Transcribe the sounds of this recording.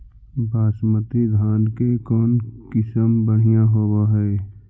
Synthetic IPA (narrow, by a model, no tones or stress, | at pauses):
baːsmət̪id̪ʱaːnkekɔːnkɪsəmbəɽ̤ijãɦoːwaɦɛː